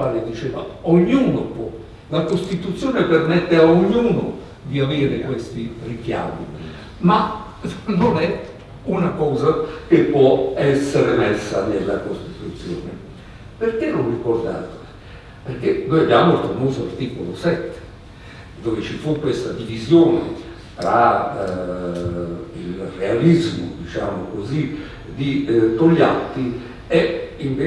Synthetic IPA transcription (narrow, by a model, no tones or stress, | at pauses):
aːled̪it͡ʃeːva̰oɲːuːnopwɔ | lakost̪it̪ut̪sːjoːnepermɛt̪ːeaoɲːuːno | d̪iaveːɾɪkwest̪irikja̰ːmḭ | ma | nonɛ | unakɔːzakepːwɔɛsːeɾemɛsːa̰nelːa̰kost̪it̪ut̪sːjo̰ːnḛ | peɾkenonrikord̪a̰ːt̪o | perkenojabjaːmofɾomuːzoart̪iːkolosɛt̪ːe̥ | d̪ovet͡ʃifukːwest̪ad̪ivizjoːnḛ | t̪ɾa | ilrealizmʊ̰d̪it͡ʃa̰ːmokozi | d̪it̪oʎːat̪ːi | ɛiɱve